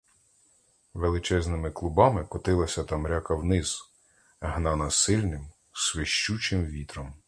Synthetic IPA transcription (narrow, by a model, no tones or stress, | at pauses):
ʋelˠɪt͡ʃɛznɪmɪklˠʊbɑmɪkɔt̪ɪlˠɐsʲɐt̪ɐmɾʲakɐwnɪz̥ | ɦnɑnɐsɪlʲnɪm | sʋeʃt͡ʃut͡ʃɪmʋʲit̪ɾɔm